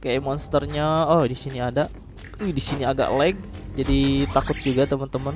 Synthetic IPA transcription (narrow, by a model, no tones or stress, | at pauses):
kajaʔmɔnst̪ərɲaɔdisiniadaʔ | udisiniaɡa̰ʔlɛɡ̚d͡ʒadit̪akʊt̪̚d͡ʒuɡat̪əmənt̪əmən